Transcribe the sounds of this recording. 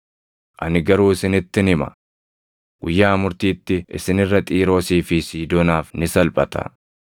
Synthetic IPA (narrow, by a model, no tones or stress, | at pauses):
ʔɐnɪɡɐɾuːɪsɪnɪt̪ːɪnɪmɐ̰ | ɡʊjːaːmʊɾt̪iːt̪ːɪɪ̰sɪnɪrːɐt̪ʼiːɾo̞ːsiːfɪsiːd̪ɔnaːfnɪsɐlpʼɐt̪ɐ̰